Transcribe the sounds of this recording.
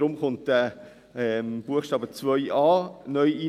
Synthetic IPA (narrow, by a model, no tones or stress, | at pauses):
ɾʊmχʊnt̚də | ɛmb̥uəχʃtɑːbət͡svœʏʔɑːnœʏiː